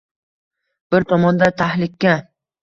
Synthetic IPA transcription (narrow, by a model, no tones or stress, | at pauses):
b̥ɪɾt̪ʰɒmɒnd̪at̪ʰahlɪkʲːa